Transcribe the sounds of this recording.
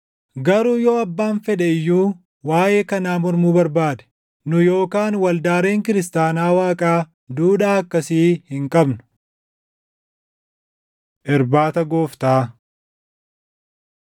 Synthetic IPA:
ɡɐɾuːjo̞ːɐbːaːnfɛᶑɛɪjːuː | waːʔe̞ːkɐnaːmɔɾmuːbɐɾbaːd̪ɛ̥ | nʊjo̞ːkaːnwɐld̪aːɾe̞ːŋkɪɾɪs̬t̪aːnaːwaːkʼaː | d̪uːᶑaːɐkːɐsiːhɪŋkʼɐbnʊ̥ | ʔɪɾbaːt̪ɐɡo̞ːft̪aː

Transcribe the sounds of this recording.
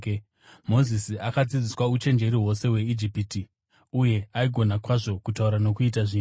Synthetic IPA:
mo̞zisiakad͡zid͡ziswaut͡ʃe̞nd͡ʒe̞ɾiɦwo̞se̞we̞id͡ʒipiti | uje̞aiɡʱo̞nakwaʐo̞kutauɾanokuitaʐiːn

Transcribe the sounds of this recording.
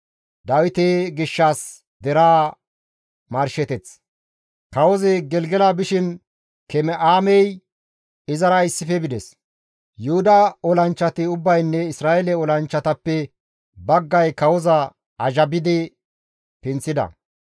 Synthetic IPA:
d̪ɐwɪt̪eɡɪʃːaːs | d̪ɛɾaː | mɐɾʃɛt̪ɛt͡s | kɐwɔzɛɡɛlɡɛlabɪʃɪn | kɛmɛʔaːmɛj | ɪzɐɾɐɪsːɪfɛbɪd̪ɛs | jʊhʊd̪ɐɔlɐnt͡ʃːɐt̪ɪʊbːɐjnːɛɪsɾaːjɛlɛɔlɐnt͡ʃːɐt̪ɐpːɛ | bɐɡːɐjkɐwɔzɐ | ɐʒɐbɪd̪ɪ | pɪnt͡sːɪd̪ɐ̰

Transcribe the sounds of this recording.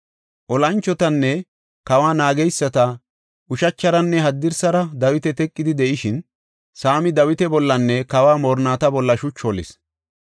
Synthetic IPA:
ʔɔlɐnt͡ʃːɔt̪ɐnːɛ | kɐwaːnaːɡɛjsːɐt̪ɐ | ʔʊʃɐt͡ʃːɐɾɐnːɛɦɐd̪ːɪɾsɐɾɐd̪ɐwɪt̪ɛt̪ɛkʼːɪd̪ɪd̪ɛʔɪʃɪn | saːmɪd̪ɐwɪt̪ɛbɔlːɐnːɛkɐwaːmoːɾnaːt̪ɐbɔlːɐʃʊt͡ʃːɔlɪ̰s

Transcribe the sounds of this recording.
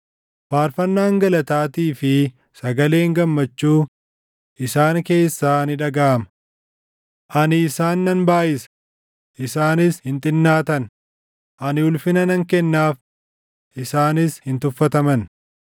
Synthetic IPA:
faːɾfɐnːaːŋɡɐlɐt̪aːt̪iːfɪ | sɐɡɐle̞ːŋɡɐmːɐt͡ʃːuː | ʔɪsaːŋke̞ːsːaːnɪᶑɐɡaːɐmɐ | ʔɐnɪːsaːnːɐnbaːʔɪsɐ̥ | ʔɪsaːnɪshɪnt̪ʼɪnːaːt̪ɐn | ʔɐnɪʊlfɪnɐnɐŋkɛnːaːf | ʔɪsaːnɪshɪnt̪ʊfːɐt̪ɐmɐn

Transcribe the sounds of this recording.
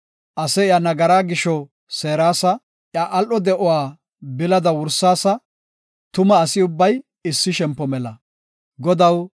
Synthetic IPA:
ʔɐsɛɪjanɐɡɐɾaːɡɪʃɔ | se̞ːɾaːsɐ | ʔjaʔɐlʔɔd̪ɛʔɔwaː | bɪlɐd̪ɐwʊɾsːaːsɐ | t̪ʊmɐːsɪʊbːɐj | ɪsːɪʃɛmpːɔmɛlɐ | ɡɔd̪ɐw

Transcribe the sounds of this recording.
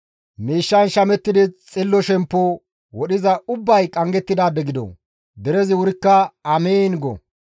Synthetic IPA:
miːʃːɐnʃɐmɛt̪ːɪd̪ɪt͡sʼɪlːɔʃɛmpːɔ | wɔɗɪzɐʊbːɐjkʼɐŋɡɛt̪ːɪd̪aːb̪ɛɡɪd̪ɔ̰ | d̪ɛɾɛzɪwʊɾɪkːɐɐmeːnɡɔ̰

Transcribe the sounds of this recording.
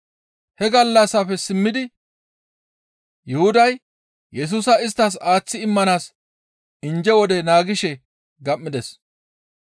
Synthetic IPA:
hɛɡɐlːɐsɐfɛsɪmːɪd̪ɪ | jʊhʊd̪ɐj | jɛs̬uːsɐɪs̬t̪ːɐs̬aːt͡sːɪɪmːɐnaːs | ɪnd͡ʒɛwɔd̪ɛnaːɡɪʃɛ | ɡɐmːɪd̪ɛs

